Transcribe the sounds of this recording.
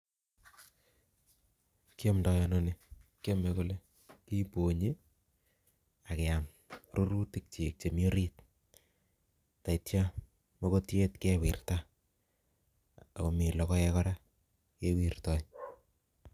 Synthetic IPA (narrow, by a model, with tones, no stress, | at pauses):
ki˦o˦mda˨jɔnone˨kjo˦me˨kole˦ | ki˦po˨ɲi˦ | a˨ke˨a˨m | ru˦ɾu˦ti˦k̚t͡ʃe˨k̚t͡ʃe˨mjo˦ɾi˦t̚ | ta˨itja | mo˦ko˦tje˦tke˦wḭ˨rta˦ | o˨mi˨lɔ˨kɔ˦ɛ˦kɔɾa˦ | ke˦wi˨rtɔ˨